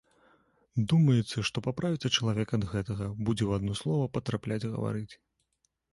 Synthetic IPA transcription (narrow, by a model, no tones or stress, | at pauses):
d̪umɐjɛt̪sɐʂt̪ɔpapɾavʲit̪sɐt͡ʂɐlˠavʲɛkɐd̪ɣɛt̪ɐɣɐbud͡zʲɛwad̪nɔslˠɔvɐpɐt̪ɾaplʲat͡sʲɣɐ̰va̰ɾɨt͡sʲ